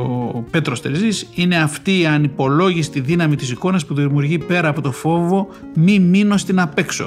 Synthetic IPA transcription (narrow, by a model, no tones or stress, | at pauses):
ope̞t̪ɾo̞st̪eɾzisine̞ɐft̪iːɐnipo̞lo̞ʝisi̥t̪iðinɐmit̪isiko̞nɐspuðiðimuɾʝipe̞ɾɐːpo̞t̪ofo̞vo̞ | mimino̞st̪inɐpe̞kso̞̰